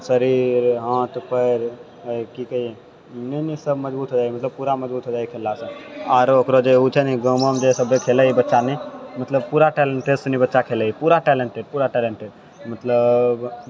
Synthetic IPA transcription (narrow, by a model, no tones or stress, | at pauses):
səɾiɾɦãːt̪pəɾ | kikəɦie | nenisəbməd͡ʒbuːt̪ɦod͡ʒaːimət̪ləb̚puɾaməd͡ʒbuːt̪ɦod͡ʒaikʰelːasə̃aːɾokɾod͡ʒeut͡ʃʰəniɡəməmd͡ʒesəbʱekʰeləibətːʃanɛmət̪ləbpuːɾaʈɛleɳʈesnibətːʃakʰeləipuɾaʈɛleɳʈeʈ̚puːɾaʈɛleɳʈeʈ | mət̪ləb